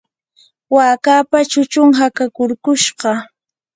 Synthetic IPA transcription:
waːkaːpat͡ʃʊt͡ʃʊŋɦakakʊɾkʊʃɢɑ

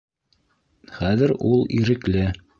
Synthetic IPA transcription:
χæðɘɾulˠḭɾɘ̆klɘ

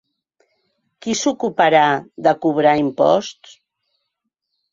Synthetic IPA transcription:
kisukupaɾaðəkuβ̞ɾaimpɔ̰st̪s

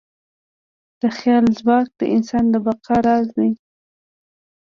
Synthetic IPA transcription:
d̪̥əxjɑlzbɑk̚d̪ə̰ʔɪnsɑnd̪əbaqaɾɑznaj

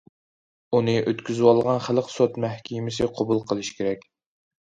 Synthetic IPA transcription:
unɨʔøt̪kʲyzɪwɑlˠʁɑnχælqʰsot̪mæhkʲʰimɪsɪqʰobulˠqʰəlˠɨʃkʲʰeɾɛkʲ

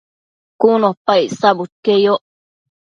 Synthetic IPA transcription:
kunopaisabut̪̚kejoʔ

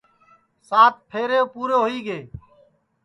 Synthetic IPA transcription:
saːt̪̚pʰeːɾeːoːpuːɾoːɦʊiːɡeː

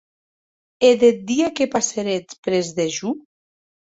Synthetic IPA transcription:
eðet̪̚d̪iakepaseɾet͡spɾezðeʒu

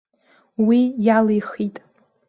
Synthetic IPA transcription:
wijalejχitʼ

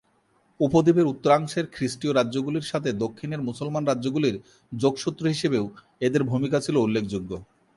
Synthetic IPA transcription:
upod̪ibeɾut̪ːoɾaŋʃeɾkʰɾiʃʈioɾaːʑoɡuliɾʃat̪ʰed̪okʰːineɾmusolmanɾadʑoɡuliɾ | d͡ʑoɡʃut̪ːɾoɦiʃebew | ed̪eɾbʱumikat͡ɕʰiloulːekʰd͡ʑuɡːo

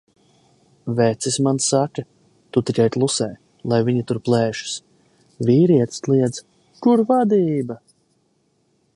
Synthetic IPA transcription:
vɛt̪sismansakɨ | t̪ut̪ikajplˠusɛːj | lˠajviɲit̪uɾplˠɛːʃu̥s | viːɾiɛt̪st̪lˠiɛd̪z | kuɾvad̪iːba

